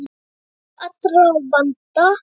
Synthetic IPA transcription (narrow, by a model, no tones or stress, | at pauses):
atəɾəŋbanta